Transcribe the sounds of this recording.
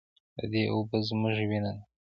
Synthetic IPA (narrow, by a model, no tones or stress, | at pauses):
d̪ə̰d̪eʔobəzmʊʒwina